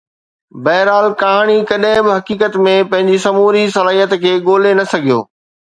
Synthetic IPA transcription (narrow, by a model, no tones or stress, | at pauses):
bɐɦɾaːlkɐɦaːɽ̃ikɐɗɦɪ̃bɪɦɐkiːkət̪mẽpɐ̃ɦɪ̃ɲd͡ʑisɐmuːɾisɐlaːɦijət̪kʰeːɠoːlenɐsɐɡʱijo̰ː